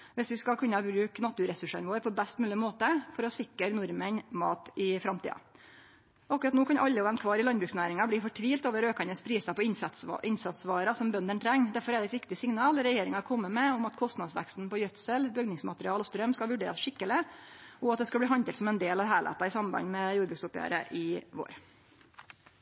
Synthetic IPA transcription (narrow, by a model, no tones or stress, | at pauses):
ʋɪsʋɪskɑlkʰʉnːəbɾʉːknɑt̪ʉɾɛsʉʂɑ̰nʋoːɾpʰɔbæst̪mʉːlɪmoːt̪əfɔɾɔsɪkːəɾnʊɾmənmɑ̰ːt̪ɪfɾɑmt̪ḭːɑ̰ | ɔɑkːʉɾɑt̪noːkʰɑnʔɑlːəɔʋɛmnt̪kʰʋɑːɾɪlɑnbɾʉːksnæːɾɪŋɑbliːfɔʈʰʋiːlt̪oːʋəɾøːkɑnəspʰɾiːsɑpɔʔɪnsɑt̪sʋɑːɾɑsɔmbœnd̪əɳt̪ʰɾɛŋːd̪æɾfɔɾɛɖɛt̪ʋɪkt̪ɪsɪŋnɑːlɾɛjeːɾɪŋɑkʰɔmːəmɛɔmɑt̪kʰɔst̪nɑd̪sʋæ̰kst̪n̩pɔjœt̪səlbʏɡnɪŋsmɑt̪ɾɪɑːlɔːst̪ɾœmskɑlʋʉɖeːɾɑsʂɪkːəlɪɔɑt̪d̪ɛskɑlbliːɦɑnt̪ɛlt̪sɔmɛnd̪eːlɑʋɦæːɭæ̰t̪ɑɪsɑmbɑ̰nmɛjuːɖbɾʉːksʊpjæ̰ːɾə̰ʔɪʋo̰ːɾ